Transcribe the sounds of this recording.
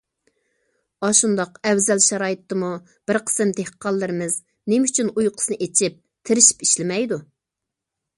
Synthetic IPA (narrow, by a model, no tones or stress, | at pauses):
ɑʃund̪ɑqɛwzɛlʃɑɾɑːjɨt̪ːɨmu | b̥ɪɾqʰə̥sɨmt̪ʰehqʰːɑlˠːɨɾɪmɨz | nemyt͡ʃʰynujqʰə̥snɨʔet͡ʃʰip̚ | t̪ʰɪɾɪʃi̥piʃlɪmɛjd̪u